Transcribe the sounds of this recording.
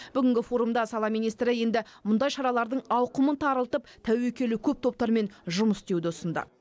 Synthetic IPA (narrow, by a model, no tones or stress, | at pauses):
b̥ʏɡʲɪŋɡʲɪfo̞ɾumd̪ɑsɑlˠɑmijnijst̪ɾɪje̞nd̪ɪmʊnd̪ɑjʃɑɾɑlˠɑɾd̪əɴɑwqəmənt̪ʰɑɾəlˠt̪əp̚t̪ʰæwe̞kʲe̞lɪkʲʰɵp̚t̪ʰo̞p̚t̪ɑɾme̞nʒʊməsd̪e̞wd̪ɪʊsənd̪ə̰